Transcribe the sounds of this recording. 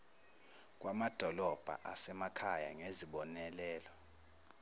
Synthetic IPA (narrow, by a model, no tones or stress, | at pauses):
k̬ʼwamad̥ʱɔlɔb̥ʱa̰ʔasɛmakʰaja̰ŋeziɓɔnɛlɛːlɔ